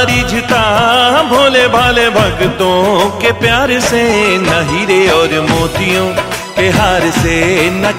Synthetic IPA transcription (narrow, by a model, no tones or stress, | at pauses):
ɾid͡ʒʱɪt̪abʱoːlebʱaːlebʱɐɡt̪õkepjaːɾsenɐɦiɾeɔːɾmoːt̪ɪjõ | keɦaːɾsenɐ